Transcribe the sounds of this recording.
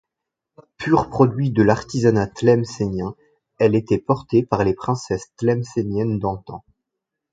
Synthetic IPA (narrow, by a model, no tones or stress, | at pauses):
pʰyʁpχɔd̪ɥid̪əlaʁt̪izanat̪lɛmsenjɛ̃ | ɛlet̪ɛpɔʁt̪epaʁlepχɛ̃sɛst̪lɛmsenjɛnd̪ɑ̃t̪ɑ̰̃